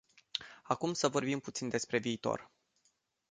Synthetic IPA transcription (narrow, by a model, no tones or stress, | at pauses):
akumsəvo̞rbimput̪sind̪e̞spɾe̞viːt̪o̞̰r